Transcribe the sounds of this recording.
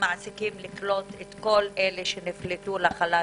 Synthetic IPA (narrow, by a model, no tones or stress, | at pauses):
maʕsikimliklo̞t̪et̪ko̞lʔeleʃeniflet̪ulaχala